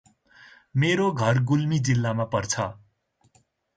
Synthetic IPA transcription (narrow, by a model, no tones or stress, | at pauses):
meɾoɡʱʌrɡulmid͡zilːamapʌrt͡sʰʌ